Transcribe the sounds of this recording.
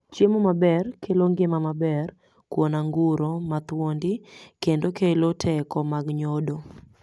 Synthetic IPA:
t͡ʃjemomabɛrkʰeloŋɡɪmamabɛr | kwonaŋɡʊɾomat̪wondɪkendokelotʰɛkɔmaɡɲodo

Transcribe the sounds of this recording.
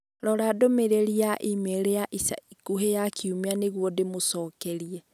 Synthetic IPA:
ɾɔɾadomeɾeɾiaʔimeɾejaʔisa̰ikuɦejakʰiumeaneɣwɔdemosɔːkɛɾiɛ

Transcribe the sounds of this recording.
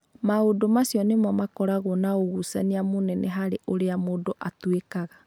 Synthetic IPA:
maodomasjɔnemɔmakɔɾaɣonaoɣusaniamonɛnɛɦaɾeʔoɾeamodoʔatwekaɣa

